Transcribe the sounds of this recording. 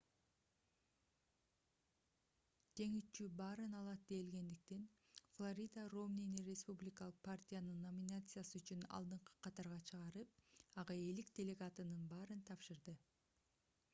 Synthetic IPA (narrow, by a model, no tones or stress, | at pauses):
d͡ʒe̞ŋyt͡ʃybɑːɾɯnɑlˠɑt̪̚d̪e̞jilɡe̞nd̪ik̚t̪en | flˠoɾʲijd̪aromninirʲespublʲɪkɑlˠɯq̚pʰartʲijanɯnːo̞mʲinat̪sɨjasɯyt͡ʃynɑ̰lˠd̪ɯɴqɯ̥qʰɑt̪ɑɾʁɑt͡ʃʰɯʁɑɾɯp̚ɑʁɑe̞lik̚d̪ʲe̞lʲe̞ɡat̪ɯnɯnbɑːɾɯnt̪ʰɑpʃɯɾd̪ɯ